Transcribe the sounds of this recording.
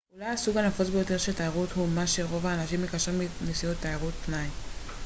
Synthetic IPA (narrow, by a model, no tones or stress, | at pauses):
ulajasuɡanafot͡sbejo̞te̞ʁʃetaeʁuthumaʃe̞ʁo̞vaːnaʃimːekaʃʁiminisijot̪ːaeʁut̪ːnaj